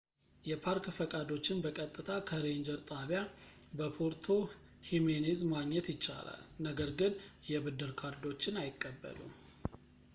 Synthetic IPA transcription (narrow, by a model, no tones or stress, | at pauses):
jɛpʰaɾkfəkʼad̪o̞t͡ʃːɪnbəkʼət̪ʼːɨt̪ʰakʰəɾeɲd͡ʒəɾt̪ʼaβjabəpʰoɾt̪ʰo̞ | himenizmaɡɲɛt̪jɪt͡ʃːa̰la̰lnəɡəɾɡɨnjɛbɨd̪ːɨɾkʰaɾd̪o̞t͡ʃːɪnajɪkʼːəbːə̰lṵm